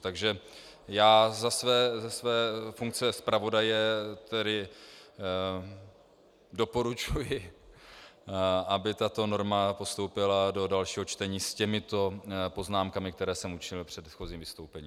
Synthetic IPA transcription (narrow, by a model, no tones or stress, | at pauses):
t̪aɡʒɛ | jaːzasvɛːzɛsvɛːfuŋk̚t͡sɛspɾavo̞dajɛt̪ɛdɪ | do̞po̞ɾut͡ʃujɪ | ʔabɪt̪at̪o̞no̞ɾmapo̞st̪o̞wpɪlado̞dalʃiːɦo̞t͡ʃt̪ɛɲiːscɛmɪt̪o̞po̞znaːmkamɪk̚t̪ɛɾɛːsɛmut͡ʃɪɲɪlpr̝̥ɛd̪xo̞ziːmvɪst̪owpɛɲiːm